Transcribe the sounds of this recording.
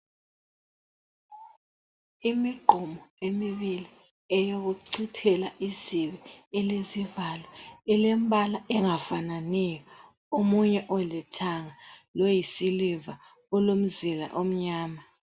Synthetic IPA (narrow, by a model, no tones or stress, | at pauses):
imiɡ͡ǃʱɔmɔemiβili | ɛjoɣuǀitʰɛlaʔiziβɛɛlezivalɔɛlem̩bʱalaʔɛŋafananɛjɔ | omuɲɛʔɔlɛtʰaŋalojisiliva | ɔlom̩zila̰ʔom̩ɲaːma